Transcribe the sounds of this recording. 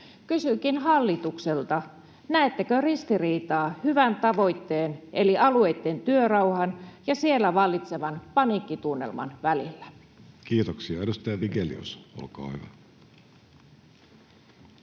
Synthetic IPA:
kysykinɦɑlːit̪ukselt̪ɑ | næet̪ːekørist̪iriːt̪ɑːhyʋænt̪ɑʋo̞jt̪ːeːneliʔɑluejt̪ːent̪yørɑwhɑnjɑsie̞lːæʋɑlːit̪se̞ʋɑnpɑniːkːit̪unːḛlmɑ̰nʋælilːæ | kiːt̪oksiɑedust̪ɑjɑʋiɡelḭo̰so̰lkɑ̰ːhyʋæ

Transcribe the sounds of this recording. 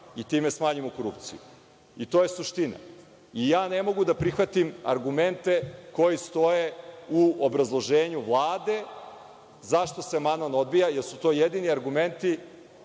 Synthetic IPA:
it̪iːme̞smaːɲimoko̞ɾupt̪siju | it̪oje̞suʃt̪ina̰ | ijaːne̞mo̞ɡud̪apɾixʋat̪ima̰ɾɡume̞nt̪e̞ko̞jist̪o̞je̞uobɾazlˠo̞ʒeːɲuʋlˠaːd̪e̞ | zaʃt̪o̞se̞manano̞d̪bijajeɾsut̪o̞ːjed̪iniaɾɡume̞nt̪i

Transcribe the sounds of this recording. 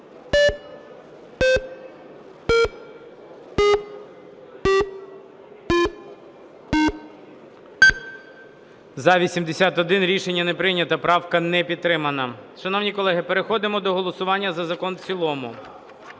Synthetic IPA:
zɐʋʲisʲimd̪esʲat̪ɔd̪ɪnɾʲiʃenʲːɐnepɾɪnʲɐt̪ɐpɾɑwkɐnɛpʲid̪̚t̪ːɾɪmɐnɐʃɐnɔwnʲikɔlˠɛɦɪpeɾexɔd̪ɪmɔd̪ɔɦɔlˠɔsʊʋɑnʲːɐzɐzɐkɔnt͡sʲilˠɔmʊ̰

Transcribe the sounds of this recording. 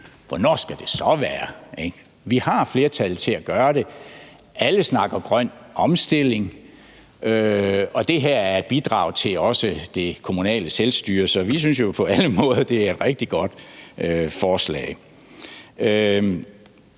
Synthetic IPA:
ʋɒnɒ̰ːsɡ̥æd̥e̝sɒ̽ʋæːɐeɡ̥ | ʋihɑ̈fle̝ːɐt͡sʰælt͡sʰe̝æɡ̥ɶːɐɾ̥e̝ | æləsnɑ̈ɡ̥ɐɡ̥ʁɶn̰ɒ̽msd̥e̝l̰e̝ŋ | ʔøɒ̽d̥e̝ɦæɐ̰æɐed̥̚b̥id̥ʁɑ̰̈ʊt͡sʰe̝lɒ̽səd̥e̝kʰo̝munɛ̰ːləselsd̥yːɐsɒ̽ʋis̬yns̬jo̝pʰɒ̽æləmɔ̽ːðˠɐd̥e̝æɐe̝d̥ʁeɡ̥̚d̥iɡ̥ɒ̽d̥øfɒːslɛ̰ɪ | ø

